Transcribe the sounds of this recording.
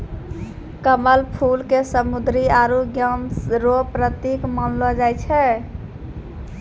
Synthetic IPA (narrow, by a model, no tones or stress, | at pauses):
kəməlpʰulkesəmud̪ɾiaɾuɡjəmɾopɾət̪ikmənlɔd͡ʒajt͡ʃʰɛ